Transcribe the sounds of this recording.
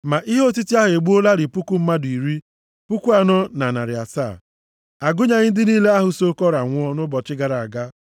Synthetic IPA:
ma˨ʔi˦ɦo˦ti˦ti˦a˦ɦʊ˨e˨ɡ͡bu˦o˦la˦ɾɪ˨pu˦ku˦m̩˦ma˦dʊ˨i˨ɾi˦ | pu˦ku˦a˦nɔ˦na˨na˨ɾɪ˨a̰˨sa̰˦˨ | a˨ɡʊ˦ɲa˨ɲɪ˦n˦dɪ˦niː˦le˦a˦ɦʊ˨so˦kɔ˦ɾa˨ŋʷ˦ɔ˦nʊ˦bɔ˨t͡ʃɪ˦ɡa˨ɾa˨a˨ɡa˦

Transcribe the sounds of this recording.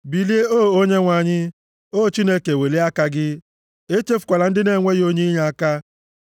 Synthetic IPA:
bi˨li˦e˦o˦˨o˦ɲe˦ŋʷa˨ɲɪ˦ | o˦˨t͡ʃi˦ne˦ke˨we˨le˦a˦ka˦ɡɪ˦ | e˦te˦fʊ˨kʷa˨la˨n̩˦dɪ˦ne˨ŋʷe˦jo˦ɲe˦ɲa˨a˦ka˦

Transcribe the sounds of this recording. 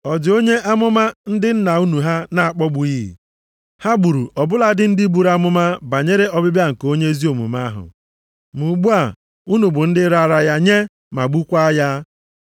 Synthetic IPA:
ɔ˨d͡ʒo˦ɲe˦ʔa˦mʊ˦ma˦n̩˦dɪ˦n̩˦na˨u˦nu˨ɦa˦na˨a˨k͡pɔ˦ɡ͡bʊ˨ji˦˨ | ha˦bu˨ɾu˨ɔ˨bʊ˦la˦dɪ˦n̩˦di˦bu˨ɾa˦mʊ˦ma˦ba˨ɲe˦ɾe˦ɔ˦bɪ˦bja˦ŋ̩˨ko˦ɲe˦zi˦o˨mṵ˨ma˦ɦʊ̰˨ | mu˨ɡ͡bu˦a˨ | u˦nu˨bʊ˨n̩˦dɪ˦ɾa˦˨˦ɾa˦ja˦ɲe˦ | ma˨ɡ͡bu˦kʷa˦ja˦

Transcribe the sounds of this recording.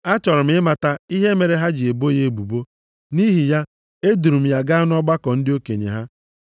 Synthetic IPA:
a˦t͡ʃɔ˨ɾʊ˨m̩˦ɪ˦ma˨ta˦i˦ɦe˦me˨ɾe˨ɦa˦d͡ʒi˨e˨bo˦je˦e˨bu˨bo˦ | ni˦ɦi˨ja˦ | e˦du˨ɾu˨m̩˦ja˦ɡa˦a˦n˦ɔ˦ɡ͡ba˦kɔ˨n̩˦dɪ˦o˦kḛ˨ɲḛ˨ɦa˦

